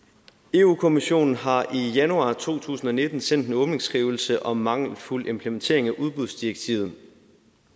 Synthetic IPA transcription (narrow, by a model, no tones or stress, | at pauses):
e̝ːukʰo̝miɕo̝̰ːnn̩ɦɑ̈ʔijænuɑ̰̈ːt͡sʰo̝̰ːt͡sʰṵːsn̩ɒ̽ne̝d̥n̩sen̰d̥enɔ̽ːb̥ne̝ŋsɡ̥ʁiːʊl̩səʔɒ̽mːɑ̈ŋ̰lful̰e̝mpʰlement͡sʰe̝̰ɐ̰e̝ŋæʔuð̞ˠb̥uðˠsd̥ieɡ̥t͡sʰiːʊð̞̩ˠ